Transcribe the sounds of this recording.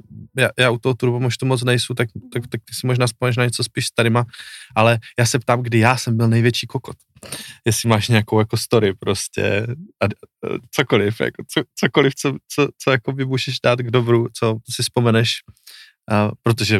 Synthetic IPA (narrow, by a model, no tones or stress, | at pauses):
jaːjaːʔut̪oɦot̪uɾubumoʃt̪umot͡snɛjsut̪akt̪akt̪ak̚t̪ɪ̥sɪmoʒnaːspomɛnɛʃnaɲɛt͡sospiːʃst̪aɾɪmaʔalɛjaːsɛpt̪aːmɡdɪjaːsɛmbɪlnɛjvjɛt͡ʃiːkokot̪ | jɛsɪmaːʃɲɛjakowjakost̪o̞ɾɪpɾo̞scɛ̰ʔat͡sokolɪfja̰kot͡sot͡sokolɪft͡sot͡sot͡sojako̞bɪmuːʒɛʒdaːt̪ɡdobɾut͡so̞sɪspo̞mɛnɛʃ | pɾot̪̬oʒɛ